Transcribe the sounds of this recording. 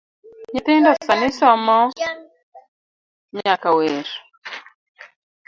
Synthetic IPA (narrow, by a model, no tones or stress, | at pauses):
ɲɪt̪ɪndɔsanɪsɔmɔ | ɲakaweɾ